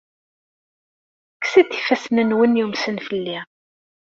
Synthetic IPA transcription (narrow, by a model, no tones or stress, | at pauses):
ksiθi̥fæsnənwənjumsənfəlːi